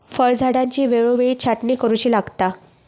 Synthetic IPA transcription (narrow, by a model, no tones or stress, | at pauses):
fəɭd͡zʱaɽãɲt͡ɕiːʋeɭoʋeɭiːt͡ɕʰaʈniːkəɾuɕiːlaɡt̪a